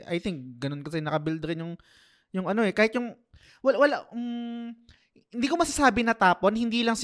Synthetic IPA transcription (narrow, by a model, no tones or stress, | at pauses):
ʔɐ̰jt̪ɪŋk̚ɡɐno̞nkɐs̬ɛnɐkɐbɪld̪ɾɪnjʊŋ | jʊŋɐno̞ʔɛkaːhɪt̪̚jʊŋ | wɐlwɐla̰ | hɪnd̪iːkomɐsasaːbɪnɐt̪aːponhɪnd̪iːlɐŋs